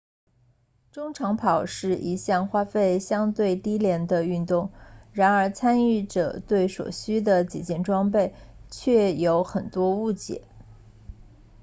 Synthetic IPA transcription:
ʈ͡ʂʊ˥ŋʈ͡ʂʰɑ˧˥ŋpʰɑ˨˩ʊʂɻ̩˥˩ʔi˧˥ɕjɑ˥˩ŋxwa˥fe˥˩ɪɕjɑ˥ŋt̪we˥˩ɪt̪i˥ljɛ˧˥nd̪ə˧y˥˧nt̪ʊ˥˩ŋɻa˧˥nə˞˧˥t͡sʰa˥ny˥˩ʈ͡ʂɤ̰˨˩t̪we˥˩ɪʂwɔ̰˨˩ɕy˥d̪ə˨t͡ɕḭ˨˩t͡ɕjɛ˥˩nʈ͡ʂwɑ˥ŋp̬e˥˧ɪt͡ɕʰɥɛ˥˩jo˧˥ʊxə˨˩nt̪wɔ˥u˥˩t͡ɕjɛ̰˨˩˦

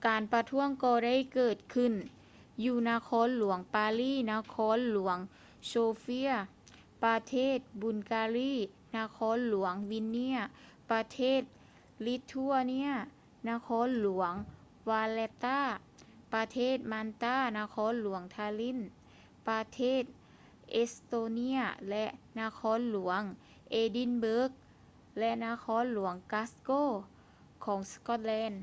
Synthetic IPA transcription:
kaː˨npa˧t̪ʰu˦˥əŋkɔː˧˩da˥˩˨jkɤː˨˩t̪̚kʰɯ˧˩n | juː˧˩na˧kʰɔː˧˥˨nlu˨˩˦əŋpaː˧liː˧˥˩na˧kʰɔː˧˥˨nlu˨˩˦əŋ | soː˧fi˧˥ɐ | pa˧t̪ʰeː˥˩t̪̚bu˧˩nkaː˧liː˥˨ | na˧kʰɔː˧˥˨nlu˨˩˦əŋwi˧˥nːi˧˥ɐpa˧t̪ʰeː˥˩t̪̚ | li˧˦t̪ʰːu˧a˧ni˧˥ɐ | na˧˥˨kʰɔː˧˥˨nlu˨˩˦əŋ | waː˧lɛ˧t̪aː˧˥˩ | pa˧t̪ʰeː˥˩˨t̪̚ma˧nt̪aː˧˥˩na˧˨kʰɔː˧˥˨nlu˩˦əŋt̪ʰaː˧li˧˥˨n | pa˧t̪ʰeː˧˥˩t̪̚ | ʔe˧st̪oː˧ni˧˥ɐlɛ˧ʔna˧kʰɔː˧˥˨nlu˩˦əŋ | ʔeː˧di˧˥˨nbɤː˦˥k̚ | lɛ˧na˧˥˨kʰɔː˧˥˨nlu˩˦əŋkaː˧˥skoː˧˥˨ | kʰɔː˨˩˦ŋskɔ˧˩t̪̚lɛː˧˥˨n

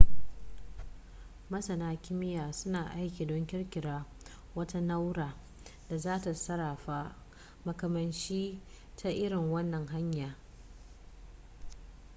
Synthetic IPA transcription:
mɐ˦sɐ˨naː˦kʲɪ˦mɪ˦jaː˨sʊ˦naː˨ʔa˦jkʲiː˨dɔ˦ŋkʲɪ˦rkʲɪ˨ɽaː˦ | wɐ˦ta˦na˦wɾaː˨ | d̥a˨zaː˦ta˨sɐ˦ɾaː˨ɸa˦ | mɐ˨kɐ˨mɐ˨nt͡ʃiː˦ | tʰa˨ʔɪ˦ɾɪ˨ŋwɐ˦nːɐ˨ŋɦa˦ɲjaː˨

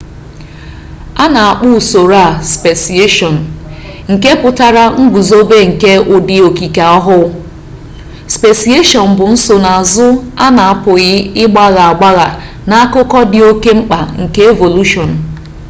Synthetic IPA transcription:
a˦na˨a˨k͡pu˦˨so˨ɾa˦˨spe˨si˨e˦ʃɔ˨n̩˨ | ŋ̩˨ke˦pʊ˨ta˨ɾa˦ŋ̩˦ɡ͡bʷu˨zo˦be˦ŋ̩˨ke˦ʊ˨dɪ˨o˨ki˨ka˨ɔ˦ɦʊ˦ | spe˨si˨˦e˦ʃɔ˨n̩˨bʊ˨n̩˦so˨na˨a˨zʊ˦a˦na˨a˨pʊ˨ɣɪ˦ɪ˦ɡ͡ba˦ɣa˨a˨ɡ͡ba˦ɣa˨ | na˦a˦kʊ˦kɔ˦dɪ˨o˦ke˦ŋ͡m̩˦k͡pa̰˨ŋ̩˨ke˦e˦vo˨lu˦ʃɔ˨n̩˨

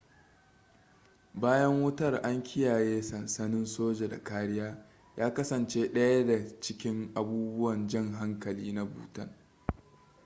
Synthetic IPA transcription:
baː˦jɐ˦ŋwʊ˦tɐ˦˨rʔa˦ŋkʲɪ˦jaː˨jeː˦sɐ˨nsɐ˦nɪ˦nsoː˦d͡ʒe˨da̰˨kaː˦ɽɪ˦jaː˦ | jaː˦kɐ˦sɐ˨nt͡ʃeː˦ɗɐ˦ja˦da˨t͡ʃɪ˦kʲɪ˦ŋʔa˨buː˦bʊ˦wɐ˨nd͡ʒɐ˦ŋɦa˦ŋkɐ˨liː˦na˦bṵː˨tɐ˦n

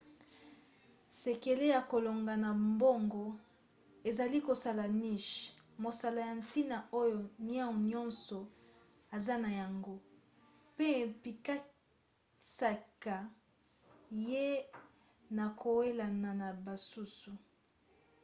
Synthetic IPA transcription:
se˨ke˨le˦ja˨ko˨lo˨ŋɡa˨na˨mbo˦ŋɡɔ˦ | e˨za˨li˦ko˨sa˨la˨ni˦ʃmo˨sa˨la˨ja˨nti˦na˨o˦jo˨n˦a˦ŋ˨ɲɔ̃˦nsɔ˨ | a˨za˦na˨ja˨ŋɡo˦ | pe˦˨mpi˨ka˦ | sa˨ka˨ | je˦ | na˨kʰo˨we˦la˨na˨na˨ba˨su˦su˨

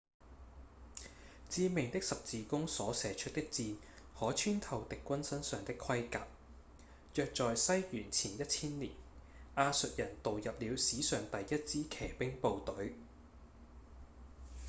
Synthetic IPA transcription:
t͡siː˨˥mɪ˨˩ŋt̪ɪ˥k̚sɐ˨p̚t͡siː˨kʊ˥ŋsɔː˨˥sɛː˨˩t͡ʃʰɵ˥t̚t̪ɪ˥k̚t͡siː˧n | hɔː˨˥t͡ʃʰyː˥nt̪ʰɐ˨˩wt̪ɪ˨kːwɐ˥nsɐ˥nsœː˨ŋt̪ɪ˥kʰɐ˥jkaː˨p̚ | jœː˨k̚t͡sɔː˨jsɐ˥jjyː˨˩nt͡sʰiː˨˩njɐ˥t̚t͡sʰiː˥nliː˨˩n | ʔaː˧sɵ˨t̚jɐ˨˩nt̪o˨wjɐ˨p̚liː˨˧wsiː˨˥sœː˨ŋt̪ɐ˨jjɐ˥t̚t͡siː˥kʰɛː˨˩pɪ˥ŋpo˨˧wt̪ɵ˨˥ɥ

